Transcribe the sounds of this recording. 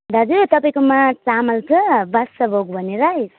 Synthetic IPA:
d̪ʱad͡zut̪ʌpaĩkomat͡samʌlt͡sʰʌbasːʌbʱoɡ̚bʱʌneɾaj

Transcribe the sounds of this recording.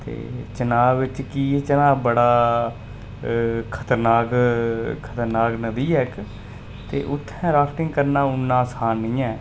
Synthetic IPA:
t̪ḛːt͡ʃənaːʋɪt͡ʃkiːet͡ʃənãːbəɽaː | kʰət̪əɾnaːkkʰət̪əɾnaːknəd̪iːɛːk | t̪ḛːʔʊt̪ʰːɛ̃ːɾaːsʈɪŋɡkəɾnaːʊnːãːsaːnĩːɛ̃ː

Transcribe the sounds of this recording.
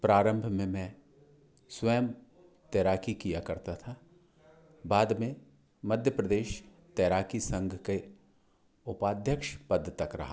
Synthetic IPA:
pɾaːɾə̃mbʱmẽmɛ̃ː | swəjəm | t̪ɛːɾaːkikijakɐɾt̪at̪ʰa | baːd̪mẽ | mɐd̪ʱjəpɾəd̪eːʃ | t̪ɛːɾaːkisɐ̃ŋɡʱke | ʊpaːd̪ʱjəkʃpɐd̪ʱːt̪ːɐkɾɐ̰ɦa

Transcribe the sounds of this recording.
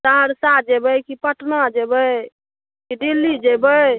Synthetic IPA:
saɦəɽsad͡ʒebəkipəʈnad͡ʒebəj | kiɖilːid͡ʒebəj

